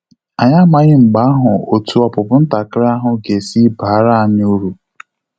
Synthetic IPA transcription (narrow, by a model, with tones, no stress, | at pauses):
a˨ɲa˦ma˨ɣɪ˦ŋ͡m̩˨ɡ͡ba˦a˦ɦʊ˨o˨tu˨ɔ˨pʊ˨pʊ˦n̩˦ta˨kɪ˦ɾɪ˦a˦ɦʊ˨ɡe˨si˦ba˨˦ɾa˦a˨ɲɪ˦u˦ɾu˨